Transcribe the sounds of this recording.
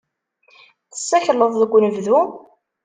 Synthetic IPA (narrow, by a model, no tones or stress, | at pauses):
θə̥sːæçləðˤðəɡʷːnəvðu